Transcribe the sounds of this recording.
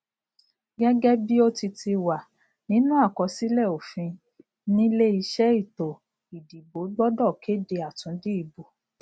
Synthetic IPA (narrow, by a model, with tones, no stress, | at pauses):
ɡɛ˦ɡɛ˦bi˦o˦ti˧ti˧wa˨ | nĩ˦nũ˦a˦˨kɔ˨˦si˦lɛ˦˨o˨fĩ˧ | nĩ˦le˦i˧ʃɛ˦i˦˨to˨ | i˨di˨bo˨˦ɡ͡bɔ˦dɔ˦˨kʰe˨˦de˧a˨tũ˨˦di˦i˦˨bo˨